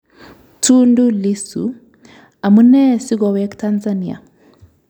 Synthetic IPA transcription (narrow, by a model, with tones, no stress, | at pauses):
tu˦ndu˦li˦sṵ˨ | a˨mu˦nɛ˦si˦ɣɔ˨wɛ˦ktanzani˨a̰˨